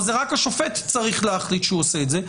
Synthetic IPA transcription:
zeʁakaʃofet̪t͡saʁiχleɐχlitʃeuoseːtze

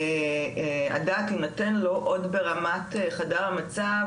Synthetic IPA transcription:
a̰daːtinotenlo̞ʔodbeʁamateχadaʁamat͡sa

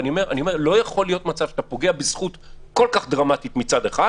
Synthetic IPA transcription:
niome̞ʁʔanio̞me̞ʁlo̞jaχo̞lijo̞t̪mat͡savʃḁt̪apo̞ɡe̞abisχut̪ | ko̞lkaχd̪ʁamat̪it̪mit͡sad̪eχa

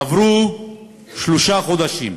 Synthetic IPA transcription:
avɾu | ʃloʃaχod̪aʃim

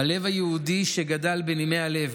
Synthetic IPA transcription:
hale̞vajeudiʃeɡadalbenimeale̞v

